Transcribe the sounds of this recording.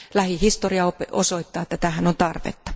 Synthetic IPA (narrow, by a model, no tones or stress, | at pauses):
læhihist̪oriɑopeosoit̪ːɑːet̪ːæt̪æhænont̪ɑrʋḛt̪ːɑ̥